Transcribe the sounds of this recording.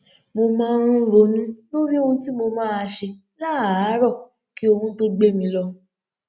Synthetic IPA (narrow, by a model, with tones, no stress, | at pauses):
mo˧mãː˦˧˦ɾũ˦ɾo˧˦nũ˦lo˦ɾi˦o˦hũ˧˦ti˦mo˧mãː˦a˧ʃe˧ | la˦˨˦ɾɔ˦˨ | ki˦o˧hũ˦to˦ɡ͡be˦mĩ˧lɔ˧